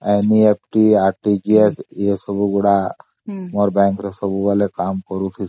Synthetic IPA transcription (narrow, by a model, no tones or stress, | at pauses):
ɛniep̚ʈiaɾʈiɡiesjesəbuɡuɽa | mɔɾbɛ̃ŋkɾɔsəbuʋalekamkəɾut̪ʰi